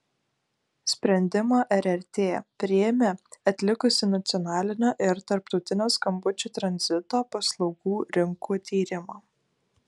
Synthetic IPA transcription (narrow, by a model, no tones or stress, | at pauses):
sʲpʲɾʲɛnʲd̪ʲɪmoːʔɛɾʲɛɾʲt̪ʲeːpʲɾʲɪjɛmʲeːɐt̪ʲlʲɪkʊsʲɪnɐt̪sʲɪɔnɑːlʲɪnʲoːʔɪɾt̪ɐɾp̚t̪ɒʊt̪ʲɪnʲoːskɐmbʊt͡ʃʲuːt̪ɾɐnʲzʲɪt̪oːpɐslˠɒʊɡuːɾʲɪŋkuːt̪ʲiːɾʲɪmoː